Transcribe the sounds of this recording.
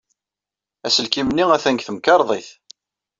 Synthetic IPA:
æsəlkimniæθænkθəmkɑɾˤðˤiθ

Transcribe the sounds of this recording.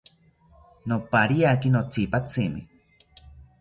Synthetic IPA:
nopaɾiakinot͡sipat͡simḭ

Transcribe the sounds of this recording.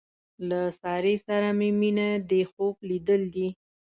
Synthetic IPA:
lasɑɾesaɾameminad̪exoblid̪əld̪i

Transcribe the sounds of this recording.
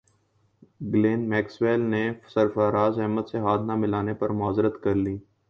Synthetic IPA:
ɡleːnmɛːksweːlnesɐɾfaɾaːzɦɛɦmət̪seɦaːd̪namɪlaːnepɐɾmaːzɾət̪kɐɾliː

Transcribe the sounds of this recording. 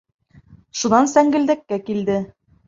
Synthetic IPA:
ʃunɑnsæŋɡɘ̆ld̪ækːækild̪ɘ

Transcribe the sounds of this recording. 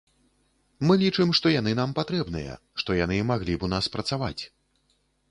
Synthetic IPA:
mɨlʲit͡ʂɨmʂt̪ɔjanɨn̪ampat̪ɾɛbnɨjɐ̰ | ʂt̪ɔjanɨmaɣlʲipunaspɾɐt̪sava̰t͡sʲ

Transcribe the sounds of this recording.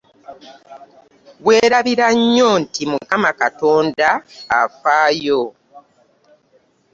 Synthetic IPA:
βwe̞ːɾaβiɾaɲːo̞ntimukamakato̞ːnda̰ːfaːjo̞

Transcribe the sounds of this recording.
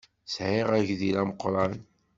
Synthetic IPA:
sʕɪʁæʝðilæməqɾˤɑn

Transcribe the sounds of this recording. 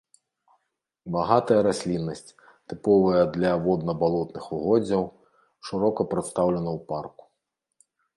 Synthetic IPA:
baɦat̪ɐjɐɾɐsʲlʲinːɐsʲtʲ | t̪ɪpɔʋɐjɐd̪lʲɐʋɔd̪nɔbalˠɔt̪nɪxʊɦɔd͡zʲɐw | ʃɪɾɔkɔpɾɛt̪st̪awlʲɛnɐwparkʊ̥

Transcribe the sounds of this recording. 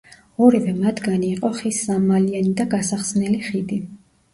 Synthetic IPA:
ɔɾivɛmat̪ʰɡaniːqʼɔχisːamalianid̪aɡasaχsnɛliχid̪i

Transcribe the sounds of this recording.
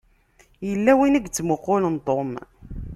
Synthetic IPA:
jəlːæwinəɡt͡sːmoqːolənt̪ˤom

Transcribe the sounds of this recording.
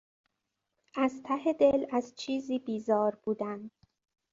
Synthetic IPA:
ʔæzt̪ʰæhe̞d̪e̞læzt͡ʃʰiːziːbiːzɒːɾb̥uːd̪ænd̪̥

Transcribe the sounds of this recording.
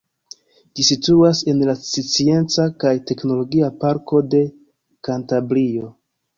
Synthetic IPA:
d͡ʒisituase̞nlasit͡sie̞nt͡sakajte̞kno̞lo̞ɡiapaɾko̞de̞ | kantabɾio̞

